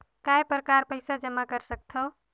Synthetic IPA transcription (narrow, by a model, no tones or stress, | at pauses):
kajpɾəkaɾpəjsad͡ʒəmːakəɾsək̚t̪ʰə